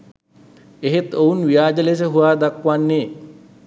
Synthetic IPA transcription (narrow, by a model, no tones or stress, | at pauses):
eɦet̪ounʋijaːd͡ʒəles̬əɦuʋaːd̪akʋanːeː